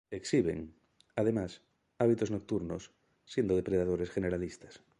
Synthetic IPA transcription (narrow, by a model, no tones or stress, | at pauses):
eksiβḛŋ | aðemas | aβ̞it̪oznok̚t̪uɾnosː | je̞nd̪oðepɾeðað̞oɾesxeneɾalist̪ḁs